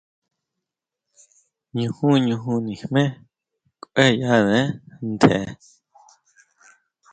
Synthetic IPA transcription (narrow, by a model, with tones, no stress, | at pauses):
ɲũ˧hũ˦ɲũ˧ɦũ˧nĩ˨hmẽ˦ | kʷʼʔe˦ja˦ðẽ˦nt̪ʰḛ˨˧